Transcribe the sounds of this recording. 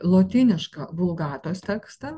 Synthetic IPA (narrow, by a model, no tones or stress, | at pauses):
lˠoːt̪ʲɪnʲɪʃkɐbʊlˠɡɑːt̪oːst̪ʲɛːkst̪ɐ